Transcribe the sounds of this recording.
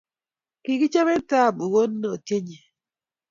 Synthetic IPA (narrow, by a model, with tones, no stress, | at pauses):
ki˨ki˦t͡ʃe˦me˦ta˦˨bu˨ɣo˦n˦no˨te˦ɲe˨